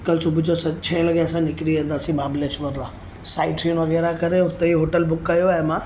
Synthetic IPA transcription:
kəlsʊbʱʊd͡ʑosɐt͡ɕʰɐẽlɐɡasãnɪkɾiʋẽnd̪aːsĩmaːbleːʃʋəɾd̪ãː | saːɪʈiunʋɐɣɛːɾakɐɾeʊt̪eiɦoːʈəlbʊkːɐjoaːɦemãː

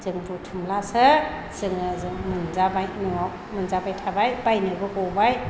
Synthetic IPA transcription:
z̥ɯŋbutʰɯmlasɯ | z̥ɯŋɯzɯŋmɯnzabajnɯaw | mɯnzabajtʰabajbajnɯbɯɡɔbaj

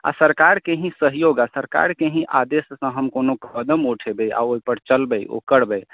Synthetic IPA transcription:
a̰səɾkaɾkeɦĩsəɦjoɡasəɾka̰ɾkẽɦĩʔad̪essə̃ɦəmkonokəd̪əmoʈʰebeʔa̰oipəɾt͡ʃəlbɛjʔo̰kəɽbɛj

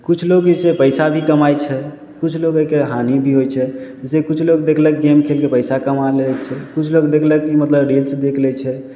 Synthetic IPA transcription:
kut͡ʃʰloɡsepəjsabʱikəmajt͡ʃʰɛ | kut͡ʃʰloɡəkeɦanibʱiɦojt͡ʃʰɛ | sekut͡ʃʰloɡ̚d̪ekʰlɛk̚ɡemkʰelkepəjsakəmalelɛkt͡ʃʰɛkut͡ʃʰloɡd̪ekʰləkimət̪ləbɾilsd̪ekʰlɛt͡ʃʰɛ

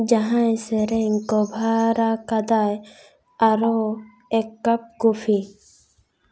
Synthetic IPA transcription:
d͡ʒaɦãjsɛɾɛŋkɔbʱaɾakad̪aj | aɾɔ | ɛkːap̚kupʰi

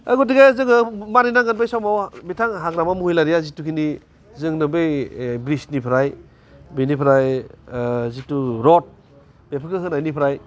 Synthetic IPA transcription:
aɡɔdiɡezɯŋɯmaɾijnaŋɡɯnbajsawmawbitʰaŋɦakɾamamuijlaɾijazitukʰini | zɯŋnɯbejbɾisnipʰɾaj | binipʰɾaj | zituɾɔt̚ | b̥epʰɯkɯɦɯnajnipʰɾaj

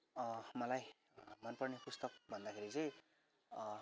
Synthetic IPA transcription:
ʌmʌlaj | mʌnpʌrnepust̪ʌk̚bʱʌnd̪akʰeɾit͡sʌj̃

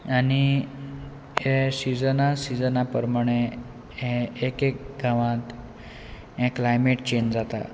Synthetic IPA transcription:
ani | ɦẽsid͡zənasid͡zənapəɾmaɽ̃e | ɦẽːkek̚ɡʱaʋãt̪ | ɦɛ̃klajmeʈt͡ɕeɲd͡ʑd͡zat̪a̰

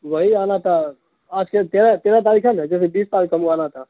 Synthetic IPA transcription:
ʋəɦianat̪a | ad͡ʒket̪eɾat̪eɾat̪aɾikʰand͡ʒɛːsebiːstaːlkəmuanat̪ʰa

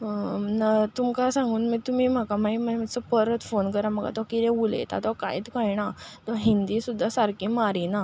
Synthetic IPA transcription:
nat̪umkasãŋɡuːnməɡt̪um̤iːm̤akamaiməm̤əsəpəɾət̪fonkəɾaməka̰t̪ɔakit̪ɛ̃ulḛt̪a̰t̪ɔka̰iːt̪kajnat̪ɔɦind̪iːsud̪ʱːasaɾkĩmaɾina

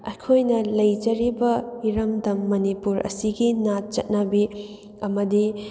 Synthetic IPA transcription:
ɐkʰojnɐlɐjd͡ʒɐɾibɐiɾɐmdɐmːɐnipuɾɐ̰siɡinat̚t͡ʃɐt̚nɐbi | ɐmɐdi

